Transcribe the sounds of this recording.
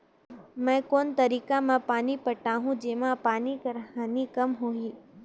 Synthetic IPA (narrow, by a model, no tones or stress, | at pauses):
mɛ̃koːnt̪əɾiːkamãpaːnipəʈaɦũd͡ʒemãpaːnikəɾɦanikəmɦoɦi